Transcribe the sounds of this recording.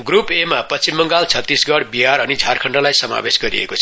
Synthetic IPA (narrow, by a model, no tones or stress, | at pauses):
ɡrupemapʌt͡simːʌŋɡalt͡sʰʌt̪ːisɡʌɽbiɦaɾʌnid͡zʱarkʰʌɳɖʌlajsʌma̰besɡʌɾḭḛkot͡sʰʌ